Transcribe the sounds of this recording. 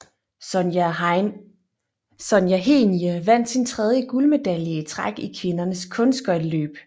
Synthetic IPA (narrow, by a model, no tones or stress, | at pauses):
sɒ̽njæɦe̝̰niəʋæn̰d̥sint͡sʰʁɛð̞ˠjəɡ̥ulme̝d̥æljiət͡sʰʁaɡ̥ikʰʋe̝nɐnəskʰɔ̽nsɡ̥ɒ̽ɪlø̰ːb̥